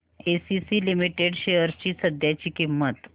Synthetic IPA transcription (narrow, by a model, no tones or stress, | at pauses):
esisilimiʈeɖɕejəɾt͡ɕiːsəd̪ʱjat͡ɕikimːət̪